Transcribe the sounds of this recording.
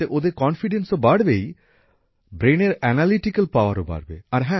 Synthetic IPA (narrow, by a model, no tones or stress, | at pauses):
eʔod̪eɾkɔnfiɖensobaɽbej | bɾeneɾɛnaliʈikəlpaʊaɾoba̰ɽbḛaɾɦɛ̃